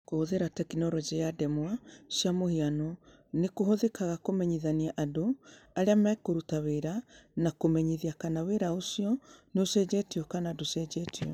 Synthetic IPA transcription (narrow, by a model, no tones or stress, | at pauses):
kohoðeɾatɛkinɔɾɔd͡ʒejadɛmwasjamohianɔ | nekohoðekaɣakomɛɲiðaniaʔadoaɾeamaːkoɾutaweɾanakomɛɲiðiakanaweɾaosiɔneosɛd͡ʑɛtiɔkanaːdosɛd͡ʒɛtʰiɔ